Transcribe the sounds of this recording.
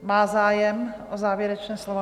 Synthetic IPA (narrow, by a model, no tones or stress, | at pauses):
maːzaːjɛmʔozaːvjɛɾɛt͡ʃnɛːslovo